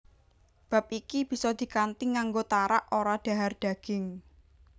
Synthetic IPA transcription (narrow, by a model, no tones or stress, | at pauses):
b̥a̤p̚ikib̥i̤sɔd̪̥i̤kant̪iŋaŋɡot̪aɾaʔoɾaɖ̪̥a̤ɦarɖ̪̥ä̤ɡ̥ɪŋ